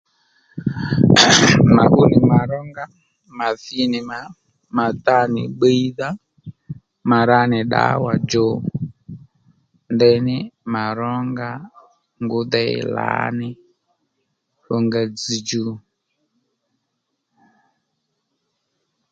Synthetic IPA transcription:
ma˨ʔu˦ni˨ma˨ɾɔ˦ŋɡa˦ | ma˨θi˦ni˨ma˨ | ma˨ta˦ni˨ɓe˦i˦ða˦ | ma˨ɾa˦nɪ˨ɗa̰˨˦wa˨d͡ʒɔ˨ | ndɛ˦nɪ˦ma˨ɾɔ˦ŋɡa˦ | ŋɡu˦ðɛ˦ɛ̰˨la̰˨˦nɪ˦ | ɾɔ˨ŋɡa˨d͡zi˨d͡ʒu˨˦

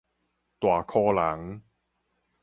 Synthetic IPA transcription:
t̪waː˨˩kʰɔː˧la˨˦ŋ

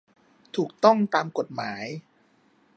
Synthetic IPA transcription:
t̪ʰuː˨˩k̚t̪ɔ˥˩ŋt̪aː˧mko˨˩t̪̚maː˩˦j

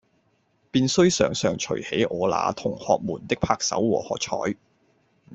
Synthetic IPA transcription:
piː˧nsɵ˥ɥsœː˨ŋsœː˨˩ŋt͡ʃʰɵ̰˨˩ɥhe˨˥jʔɔː˨˧la̰ː˨˧t̪ʰʊ˨˩ŋhɔː˨k̚muː˨˩nt̪ɪ˥k̚pʰaː˧k̚sɐ̰˨˥wwɔː˨˩hɔː˨k̚t͡ʃʰɔ̰ː˨˥j

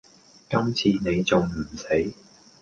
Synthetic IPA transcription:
kɐ˥mt͡sʰiː˧ne˨˧jt͡sʊ˨ŋm̩˨˩se˨˥j

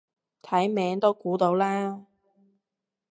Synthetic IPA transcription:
t̪ʰɐ˨˥jmɛː˨˧˥ŋt̪o˥wkuː˨˥t̪o˨˥wlaː˥

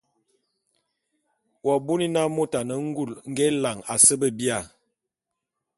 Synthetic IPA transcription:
wɔ˨bu˦ni˦na˦mo˦ta˨nə˨˦ŋ̩˦ɡu˦˨lŋ̩˦ɡɛ˦la˨ŋa˨sə˦bə˦bi˦a˨

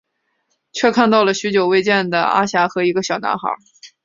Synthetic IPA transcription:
t͡ɕʰɥɛ˥˧kʰa˥˧nt̪ɑ˥˩ʊlə˩ɕy˧˥t͡ɕjo˨˩ʊwe˥˧ɪt͡ɕjɛ˥˩nd̪ə̰˩a̰˥ɕja˧˥xɤ˧˥i˧˥ɡə˧ɕjɑ˨˩ʊna̰˧˥nxɑ̰˨˧˥

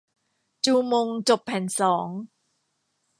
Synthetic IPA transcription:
t͡ɕuː˧mo˧ŋt͡ɕo˨˩pʰːɛ˨˩˦nsɔː˩˦ŋ

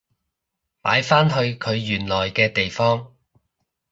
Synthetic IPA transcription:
pa̰ː˨˥jfaː˥nɦɵ˧ɥkʰɵ˨˧ɥjyː˨˩nlɔː˨˩jkɛː˧t̪e˨jfɔː˥ŋ

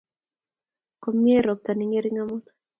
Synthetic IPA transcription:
ko˨mːi˦e˦ɾɔ˨p̚ta˨nɪ˦ŋe˦ɾi˦ŋa˦mɔ˦na˦

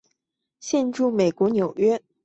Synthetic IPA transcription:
ɕjɛ˥˧nʈ͡ʂu˥˩me˨˩ɪkwɔ˧˥njo˨˩ʊɥɛ˥

